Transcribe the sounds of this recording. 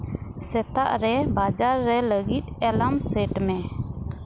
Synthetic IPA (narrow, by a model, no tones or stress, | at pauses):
sɛt̪a̰ʔɾɛbad͡ʒaɾːɛləɡit̪̚ɛlamsɛʈmɛ